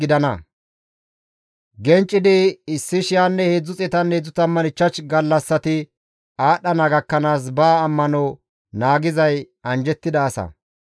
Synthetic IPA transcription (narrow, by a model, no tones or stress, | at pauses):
ɪd̪ɐnɐ̰ | ɡɛnt͡ʃʼːɪd̪ɪɪsːɪʃɪjaːnːɛheːd͡zːʊt͡sʼɛt̪ɐnːeːd͡zːʊt̪ɐmːɐnɪt͡ʃːɐt͡ʃɡɐlːɐsːɐt̪ɪ | aːɗɐnɐːɡɐkːɐnaːs̬baːmːɐnɔ | naːɡɪzɐj | ɐnd͡ʒɛt̪ːɪd̪ɐːsɐ̰